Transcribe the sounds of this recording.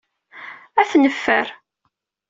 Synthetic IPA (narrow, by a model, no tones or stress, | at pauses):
æθnəfːəɾ